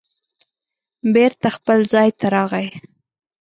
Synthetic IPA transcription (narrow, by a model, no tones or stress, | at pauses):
beɾt̪axpəlzɑjt̪ʰaɾɑɣaj